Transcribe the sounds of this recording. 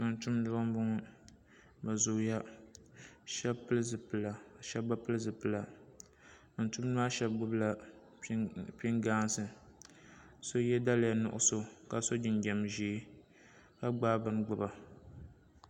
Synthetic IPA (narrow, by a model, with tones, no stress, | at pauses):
ɨ˨n̩˨tu˦m˦dʊ˦a˦m˦bʊ˦ŋ˦ | ba˨zʊ˨˦ja˦ | ʃɛ˦pɨ˦lzɨ˨pɨ˨la˨ʃɛ˦ba˦pɨ˦lɨ˦zɨ˨pɨ˨la˨ | n̩˨˦tu˦m˦n˦a˦ʃɛ˦bɡ͡bʊ˦bla˦ | pi˦ŋɡaː˦n˦sɨ˨ | so˦jɛ˦da˦lja˨nʊ̰˨ʔʊ̰˦so˨ka˨so˦d͡ʒɪ˨nɡɛ˨mʒiː˨˦ | ka˦ɡ͡baː˦bɨ˨n˦ɡ͡bʊ˨ba˨